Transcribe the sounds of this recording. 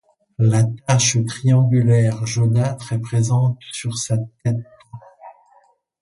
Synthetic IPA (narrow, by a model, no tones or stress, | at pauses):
lat̪aʃt̪χiɑ̃ɡylɛʁʒonat̪χɛpχezɑ̃t̪syʁsat̪ɛt̪